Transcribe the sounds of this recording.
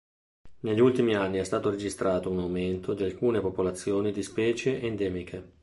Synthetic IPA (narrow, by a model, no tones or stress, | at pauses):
neʎːult̪imianːiɛst̪aːt̪oɾed͡ʒist̪ɾaːt̪ounawment̪od̪ialkuːnepopolat̪sːjoːnid̪ispɛːt͡ʃeʔend̪ɛːmikʰe